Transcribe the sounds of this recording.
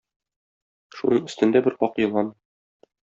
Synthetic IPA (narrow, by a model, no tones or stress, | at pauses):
ʃunɤɴɘ̆st̪ɘ̆nd̪æbɘɾqɒqjɤ̆lˠɑn